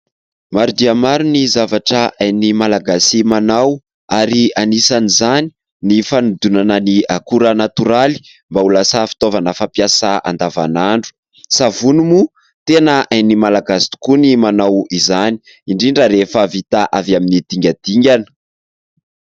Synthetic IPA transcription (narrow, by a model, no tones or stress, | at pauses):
maɾud̪iamaɾunizavaʈ͡ʂəʔajnimalaɡasimanaw | aɾianisanizani̥ | nifanud̪unanəniakuɾənat̪uɾali̥ | mbaulasafi̥t̪ovanəfapiasaa̰nd̪ava̰naɳɖ͡ʐu̥ | savunumu | t̪enəʔajnimalaɡasi̥t̪u̥kunimanawizani | iɳɖ͡ʐiɳɖ͡ʐəɾefəvit̪aʔavaminid̪̥iŋɡʲad̪̥iŋɡʲanə̥